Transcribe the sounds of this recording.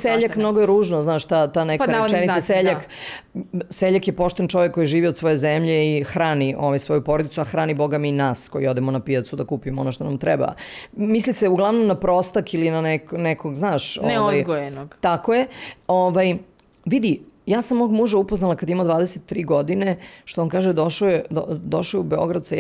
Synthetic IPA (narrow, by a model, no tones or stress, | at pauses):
seʎakmno̞ɡojeɾuːʒnoznaːʃt̪at̪anekaet͡ʃɛnit̪aseʎak | seʎakjepo̞ʃt̪ent͡ʃo̞ʋekːo̞jiʒiːʋiod̪sʋo̞je̞zemʎeixɾaːniʔo̞ʋajsʋo̞jupoɾod̪it̪suaxɾaːnibo̞ɡamiːnaːskojio̞d̪emonapijat̪sud̪akupimoo̞̰noʃt̪onamt̪ɾɛba̰misliseuɡlˠaʋnomnapɾost̪akilinanɛknɛkoɡznaːʃonʋajɡoenoɡt̪akojeoʋaj | ʋid̪ijaːsamːoːɡmuʒaupoznalakad̪jimad̪ʋaːd̪eset̪ːɾiːɡo̞d̪ine̞ʃt̪oonkaːʒed̪oʃoed̪od̪o̞ʃojubeo̞ɡɾad̪se